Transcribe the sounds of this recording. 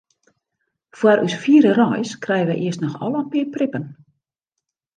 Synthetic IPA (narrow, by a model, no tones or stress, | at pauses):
fwaɾʔysfiːəɾərɔjskrɛjəʋɛjʔɪəstnɔxɔ̰lˠəənpɪərprɪpən